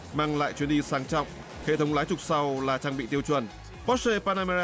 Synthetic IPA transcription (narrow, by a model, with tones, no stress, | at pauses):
maː˧ŋla̰ː˧˨jt͡ɕwi˧ənɗi˧saː˨˦ŋt͡ɕɔ̰˧˨wŋ͡m | hḛ˧˨t̪ʰə˨˦wŋ͡mlaː˨˦jt͡ɕʊ˨˩k͡p̚sa˧wlaː˨˩t͡ɕaː˧ŋɓḭ˧˨t̪i˧əwt͡ɕwə˨˩n | pɔ˨˦˥se˧paː˧na˧ma˧